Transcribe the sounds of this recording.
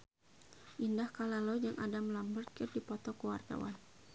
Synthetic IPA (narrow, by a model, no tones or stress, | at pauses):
ʔindahkalalɔd͡ʒaŋʔa̰damlambərkɪrdipɔt̪ɔkəwart̪a̰wa̰n